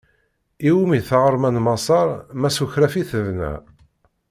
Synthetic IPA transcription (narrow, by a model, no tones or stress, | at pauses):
iwumiθʁɾˤmænmɑsˤɑɾˤmæsuçɾæfiθəvnæ̰